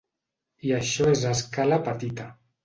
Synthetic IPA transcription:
iaʃɔezaskalapat̪it̪a

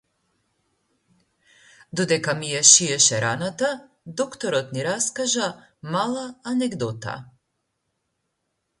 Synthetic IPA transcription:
d̪ɔd̪ɛkamijaʃiɛʃɛɾanat̪a | d̪ɔkt̪ɔɾɔt̪niɾaskaʒa | malˠaːnɛɡd̪ɔt̪a̰

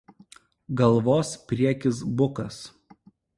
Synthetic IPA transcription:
ɡɐlˠʋoːspʲɾʲiɛkʲɪs̬bʊkɐs

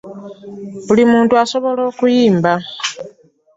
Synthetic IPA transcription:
βulimuːntuaso̞βo̞lo̞ːkujiːmba

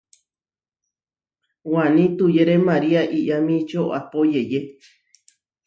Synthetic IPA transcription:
wanĩt̪ujeɾemaɾiaʔiʔamĩt͡ʃoa̰pojeje

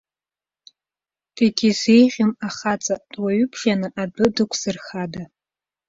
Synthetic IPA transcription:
d̥eɡʲize̞jʁʲɪmaχat͡sʼadʼwaɥʏpʰʃanɨʔabɨdɨkʷʰz̥ɨrχada

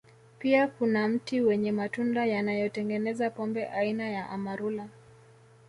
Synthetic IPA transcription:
piakunam̩tiwɛɲɛmatundajanajɔtɛŋɡɛnɛzapɔmbɛʔainajaʔamaɾula

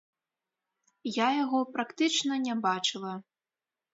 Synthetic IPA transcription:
jajaɣɔpɾakt̪ɨt͡ʂnɐnʲabat͡ʂɨlˠɐ

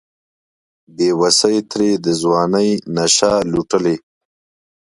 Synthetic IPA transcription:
bewasəjt̪ɾed̪əzwɑːnəjnaʃaluʈəle

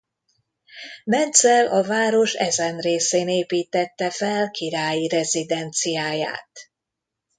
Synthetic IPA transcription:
mɛnt̪sɛlʔɒvaːɾo̞ʃɛzɛnreːseːneːpiːt̪ɛt̪ːɛfɛlkʰiɾaːjiɾɛzid̪ɛnt̪sijaːja̰ːt̪

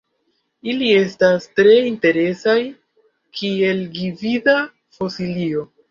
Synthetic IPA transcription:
ilie̞stastɾe̞inte̞ɾe̞saj | kʰie̞lɡivida | fosilio̞

